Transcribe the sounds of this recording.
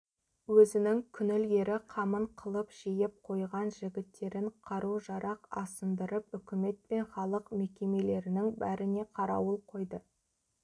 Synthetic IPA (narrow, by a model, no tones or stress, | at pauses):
wɵzɪnɪŋkʲʰʏnɪle̞ɾɪqʰɑməɴqʰəlˠəpʒ̥ejɪp̚qʰo̞jʁɑnʒɪɡʲɪt̪ːe̞ɾɪɴqʰɑɾʔuʒɑɾʔɑqɑ̰sənd̪əɾəpʏkʲɪme̞t̪̚pe̞nχɑlˠəqme̞kʲe̞me̞le̞ɾɪnɪŋbæɾɪne̞qʰɑɾɑ̰wəlˠqʰo̞jd̪ə